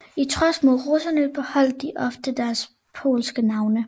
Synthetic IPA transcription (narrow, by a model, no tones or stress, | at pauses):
it͡sʰʁɒsmuðˠʁosɐnəb̥ehɒ̽l̰d̥̚iʔɒ̽fd̥əd̥æɐs | pʰo̝̰ːlsɡ̥ənɑ̈ʊnə